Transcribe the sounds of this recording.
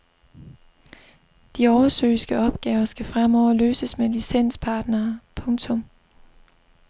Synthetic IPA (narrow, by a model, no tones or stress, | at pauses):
d̥iɒʊɐsø̰ːɪsɡ̥əɒ̽b̥ɡ̥ɛːʊɐsɡ̥æfʁamɒʊɐløːsəsmelisen̰spʰɑ̈ːd̥nɐːpʰɔ̽ŋt͡sʰɔ̽m